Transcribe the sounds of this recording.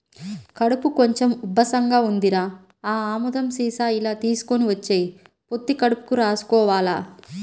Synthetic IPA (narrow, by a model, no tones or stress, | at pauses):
kɐɽupuko̞ɲt͡ʃemubʱːɐsɐŋɡaːund̪iɾaː | aːaːmud̪ɐmsiːsaːilaːt̪iːsu̥koniʋɐt͡ʃːeːji | po̞t̪ːikɐɽupu̥kuɾaːsu̥kɔːʋaːlaː